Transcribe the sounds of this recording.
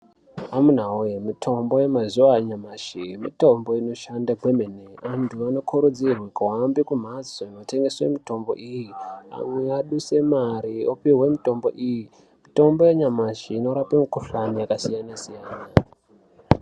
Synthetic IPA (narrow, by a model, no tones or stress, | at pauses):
amun̤aujemitʰo̞mbo̞je̞mazuwaɲamaʃimḭto̞mbo̞ino̞ʃandaɡʱwe̞meneantʰuano̞kʰuɾud͡zirwekwambikum̤azoinote̞ŋɡe̞swe̞mito̞mbo̞̰ʔijia̰mwe̞aɗuse̞maɾiopiwe̞mito̞mbo̞̰ʔiji | mito̞mbo̞jeɲamaʃiːno̞ɾapemukuɬanijakasijanasijaːna